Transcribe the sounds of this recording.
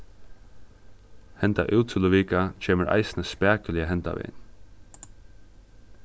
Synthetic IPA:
hɛnt̪a̰ʔʉːt̪ʰːɪlʊʋiːkat͡ʃʰeːməɾʔa̰ɪsɪnəspæːkəlɪəɦɛnt̪a̰ʋɪ̰n

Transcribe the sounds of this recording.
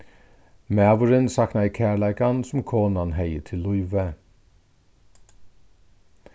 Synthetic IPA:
mæːʋʊɾənsɑknɑɪkʰæːɭæɪkɑnsɔm̩kʰoːnɑnhæɪətʰɪlʊʏʋə

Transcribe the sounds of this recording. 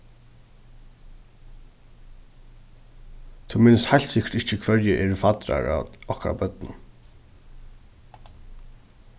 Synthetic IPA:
t̪ʰumɪnɪst̪hajlt̪sɪkə̥t̪ɪht͡ʃəkʰvœɹjəʔɛːɹfat̪ɾa̰ɹa̰ɔhka̰a̰bœt̪nʊn

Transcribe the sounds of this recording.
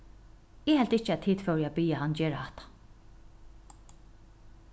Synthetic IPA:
ɪːhɛlt̪ɪt͡ʃːɛt̪ʰːiːt̪fœwɾjabiːjaɦand͡ʒɛːɾhɑht̪ḁ

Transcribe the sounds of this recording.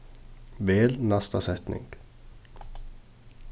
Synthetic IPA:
ʋeːlnɑst̪asɛt̪nʔɪ̰ŋɡ̥

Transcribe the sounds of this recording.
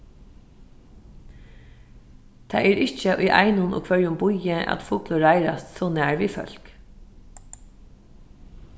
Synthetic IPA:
t̪ʰɑːɛːɾɪt͡ʃəʔʊjʔɑ̰ɪnʊnʊ̰kʰʋœɹjʊmbʊjəʔɑ̰t̪fʊːklʊɹaɪɾast̪sɔːnæːɹʋiːfœ̰l̥k

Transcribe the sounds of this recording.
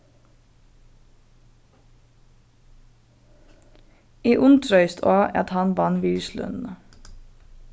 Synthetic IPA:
iːʔʊnt̪ʰɾœʏst̪ʰoːʔɛ̰t̪hɑnʋɑnʋiːlslʉ̰nn̩ə

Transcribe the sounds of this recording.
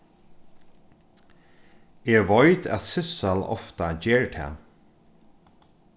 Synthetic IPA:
ɛʋɔjt̪æ̰t̪sɪsalɔ̰ft̪ad͡ʒɛːɹt̪ʰɛ̰ː

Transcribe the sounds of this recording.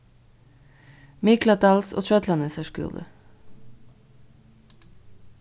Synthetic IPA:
mɪklɑt̪ɑlso̰ːt͡ʃœt̪lɑnɛsəʃkʉ̰d̪ə̰

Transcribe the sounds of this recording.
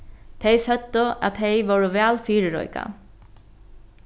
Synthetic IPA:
t̪ʰejsœt̪ːʏa̰ðt̪ejʋowɾʏvɛːlfiːɾɪɾɔ̰jka̰

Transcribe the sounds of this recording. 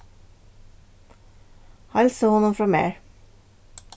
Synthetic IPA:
hɑlsoːhɔnɔmfɾɔmḛːɹ

